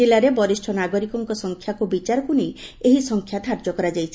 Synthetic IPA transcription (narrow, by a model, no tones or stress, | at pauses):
elaɾebɔɾisʈʰɔnaɡoɾikɔŋkɔsɔŋkʰjakubit͡ʃaɾɔkunejeɦisɔŋkʰjat̪ʰaɾd͡ʒɔkɔɾad͡ʒajt͡ʃʰ